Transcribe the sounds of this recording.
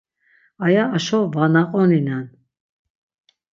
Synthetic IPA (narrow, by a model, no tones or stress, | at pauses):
ajaːʃɔvanaqʼɔninan